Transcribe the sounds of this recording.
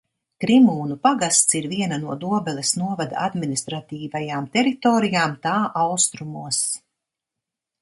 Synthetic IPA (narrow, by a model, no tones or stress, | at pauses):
kɾimuːnupaɡast̪siɾviɛnanuɔd̪uɔbɛlʲɐsnuɔvad̪a̰ad̪minist̪ɾat̪iːvajaːmt̪ɛɾit̪ɔːɾijaːmt̪aːʔawst̪ɾumuɔs